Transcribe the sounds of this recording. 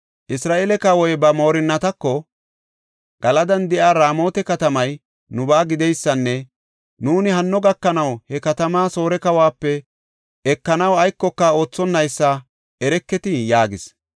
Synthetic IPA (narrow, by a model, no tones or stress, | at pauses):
ʔɪsɾaːʔeːlɛkɐwɔjbɐmo̞ːɾɪnːɐt̪ɐkːɔ | ɡ̥ɐlɐd̪ɐnd̪ɛʔaːɾaːmo̞ːt̪ɛkɐt̪ɐmɐj | nʊbaːɡɪd̪ɛjsːɐnːɛ | nuːnɪɦɐnːɔɡɐkːɐnɐwhɛkɐt̪ɐmaːso̞ːɾɛkɐwaːpːɛ | ɛkːɐnɐwɐjkːɔkːao̞ːt͡sːɔnːɐjsːɐ | ɛɾɛkːɛt̪ɪjaːɡɪs